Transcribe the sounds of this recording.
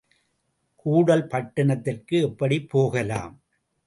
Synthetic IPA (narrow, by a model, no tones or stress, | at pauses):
kuːɽɐlpɐʈːɐɳɐt̪ːɪrkɯɛpːɐɽipːoːɣɐla̰ːm